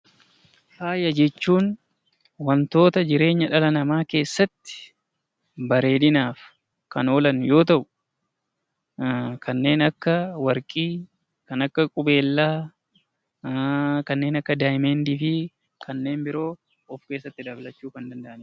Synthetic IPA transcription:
haːjɐd͡ʒɛt͡ʃːuːn | wɐnt̪o̞ːt̪ɐd͡ʒɪɾe̞ːɲːɐᶑɐlɐnɐmaːke̞ːsːɐt̪ːɪ̥ | bɐɾe̞ːd̪ɪnaːf | kɐno̞ːlɐnjo̞ːt̪ɐʔʊ | kʰɐnːe̞ːnɐkːɐwɐɾkʼiː | kɐnɐkːɐkʼʊbe̞ːlːaː | kɐnːe̞ːnɐkːɐd̪aːjɪmeːnd̪iːfɪ | kʰɐnːe̞ːmbɪɾo̞ː | ɔfke̞ːsːɐt̪ːɪd̪ɐblɐt͡ʃːuːkɐnd̪ɐnd̪ɐʔɐnɪ

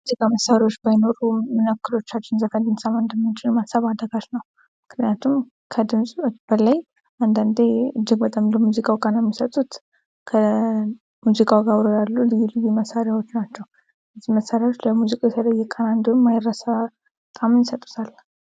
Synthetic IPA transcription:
muzikʼaməsaɾiwot͡ʃːbajɪno̞ɾumɨnəkːɨlo̞t͡ʃːat͡ʃːɪnzəfənd̪ɨmsamɨnd̪əmːɨnt͡ʃɪlmasəβad̪əɡaʃnəw | mɨkʰnijat̪ʰum | kʰəd̪ɨmsʼb̥əlaj | ʔand̪and̪eɨd͡ʒːɪɡ̚bət̪ʼamləmuzikʼawkʼanjɛmːisət̪ʼːut̪ | kʰə | muzikʼawɡaβɾojalːulɨjilɨjiməsːaɾjawo̞t͡ʃːnat͡ʃːɛw | jəzːihməsːaɾjawot͡ʃːləmuzikʼajɛt̪ʰələjːɛkʼanand̪omːajɪrːəsa | k̪ʼamɨnjɪsət̪ʼːu̥t̪ʰal

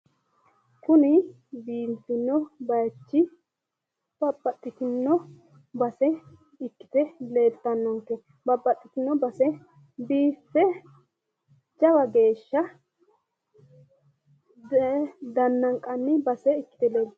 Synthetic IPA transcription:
kʊnɪ | biːntɪnːɔbɐjt͡ʃːɪ | b̥ɐbʼːɐt̪ʼːɪt̪ɪnːɔ | bɐsɛ | ɪkːɪ̥t̪ɛle̞ːlt̪ːɐnːɔŋkːɛ | bɐbʼːɐt̪ʼːɪt̪ɪnːɔbɐsɛ | biːfːɛ | d͡ʒɐwɐɡe̞ːʃːɐ | d̪ɐnːɐŋkʼɐnːɪbɐsɛɪkːɪ̥t̪ɛleːl

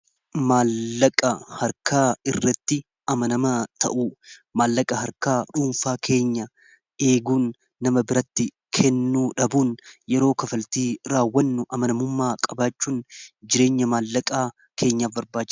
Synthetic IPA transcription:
maːlːɐkʼɐhɐɾkaːɪrːɐt̪ːɪ | ɐmɐnɐmɐt̪ʰɐ̰ʔuːmaːlːɐkʼɐɦɐɾkaːᶑuːnfaːkʰe̞ːɲːɐ | e̞ːɡuːnː | ɐmɐbɪɾɐt̪ːɪ | kʰɛnːuːᶑɐbuːnjɛɾo̞ːkɐfɐlt̪iːɾaːwːɐnːʊʔɐmɐnɐmʊmːaːkʼɐbaːt͡ʃːuːnd͡ʒɪɾe̞ːɲːɐmaːlːɐkʼaː | kʰe̞ːɲːaːfbɐɾbaːt͡ʃː

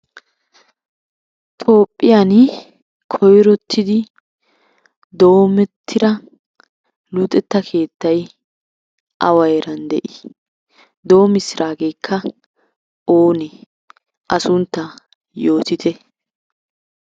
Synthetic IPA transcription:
t̪ʰʼo̞ːpʼːɪjan | kʰɔjɾɔt̪ʰːɪd̪ɪ | d̪o̞ːmɛt̪ʰːɪɾɐ | luːt̪ʼɛt̪ːɐkʰe̞ːt̪ːɐj | ʔɐwɐjɾɐnd̪ɛʔɪ̥ | d̪o̞ːmɪsɪɾʔaːɡejkʰːɐ | oːnɛ | ʔɐsʊnt̪ːɐ | jo̞ːt̪ɪt̪ʰɛ

